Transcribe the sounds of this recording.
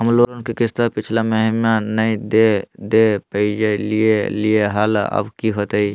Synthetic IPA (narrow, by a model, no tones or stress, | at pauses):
ɦəmloɾənkekist̪apit͡ʃʰlaməɦmanəd̪ed̪epəid͡ʒelijelieɦalə̰bkiɦot̪əj